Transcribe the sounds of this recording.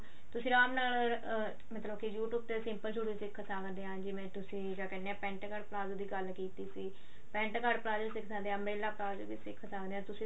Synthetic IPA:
t̪ʊsĩːɾaːmnaːl | mət̪ləbkijuːʈuːb̚t̪eːsɪmpəlʃʰuːɽiːsɪkʰːsaːkd̪eːɦãːd͡ʒɪʋẽːt̪ʊsĩːd͡ʒaːkɛːneãːpɛ̃ːɳʈkəɖplaːzd̪iːɡəlkiːt̪iːsiː | pɛ̃ːɳʈkaɖplaːzəɾsɪkʰsaːd̪eːãːmɾeːlaːplaːzʋiːsɪkʰːsakd̪eːãːt̪ʊsĩː

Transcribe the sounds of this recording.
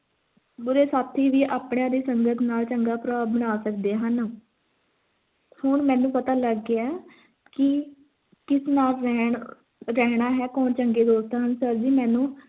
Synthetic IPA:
bʊɾeːsaːt̪ʰːiːʋiːʔaːpɳjãːd̪eːsəŋɡət̪ʰnaːlt͡ʃəŋɡaːpɾaːbəɽ̃aːsəkd̪eːɦən | hʊɳmɛ̃ːnũːpət̪aːləɡeɛː | kɪ | kɪsnaːlɾɛːɳ | ɾɛːɳ̃aːɦɛːkɔːnt͡ʃəŋɡeːd̪oːst̪aːɦənsəɾd͡ʒiːmɛ̃ːnũː

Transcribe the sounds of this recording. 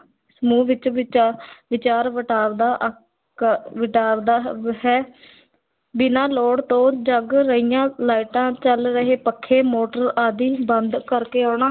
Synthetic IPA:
səmũːʋɪt͡ʃ | ʋɪt͡ʃaːɾʋəʈaːɾd̪aːʔ | ʋɪʈaːɾd̪aːɦɛː | bɪnãːloːɽt̪õːd͡ʒəɡɾəijãːlaːɪʈãːt͡ʃəlɾəɦeːpəkʰːeːmoːʈəɾaːd̪iːbənd̪kəɾkeːaːɳaː

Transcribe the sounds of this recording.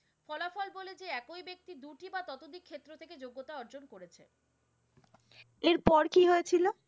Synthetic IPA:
fɔlafɔlboled͡ʑeɛkoibek̚t̪id̪uʈibat̪ɔt̪od̪ikʰːet̪ːɾot̪ʰeked͡ʑoɡːot̪aɔɾd͡ʑonkoɾet͡ɕʰḛ | eɾpɔɾkiɦoet͡ɕʰilo

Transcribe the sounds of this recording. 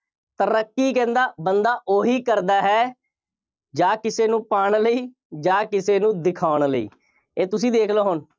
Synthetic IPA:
t̪əɾəkːiːkɛ̃ːnd̪aːbənd̪aːʔoːɦiːkəɾd̪aːɦɛː | d͡ʒaːkɪseːnũːpaːɳləiː | d͡ʒaːkɪseːnũːd̪ɪkʰaːʊɳləḭː | eːt̪ʊsĩːd̪eːkʰloːɦon

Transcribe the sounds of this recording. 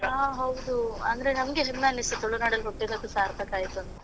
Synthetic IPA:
aːɦɐwd̪uɐ̰nd̪ɐɾenɐmɡeɦemːaːniset̪oɭːunaːɽɐlkoʈːiɾɐd̪usaːɾbeːkaːjit̪ːuɐnt̪ɐ

